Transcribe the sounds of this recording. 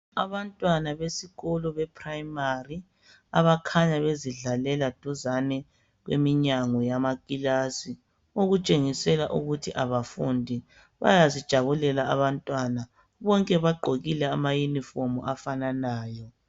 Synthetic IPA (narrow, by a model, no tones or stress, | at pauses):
aβantʼwanaβesiɣɔlɔβɛpʰrajmari | aβakʰaɲaβeziɮalɛlad̥ʱuzanɛ | ɣwḛmiɲaŋɔjamaɡʼilasi | oɣut͡ʃʼeŋisɛlaʔuɣutʰiʔaβafundʱi | βa̰jazid̥ʒ̥ʱaβulɛlaaβantʼwana | βɔŋkʼɛβaɡ͡ǃʱoɣilɛamajunifomṵʔafananaːjɔ